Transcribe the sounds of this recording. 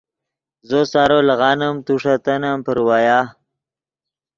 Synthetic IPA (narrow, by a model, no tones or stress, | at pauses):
zosaɾolaɣɑnamt̪uʂat̪anampəɾwaja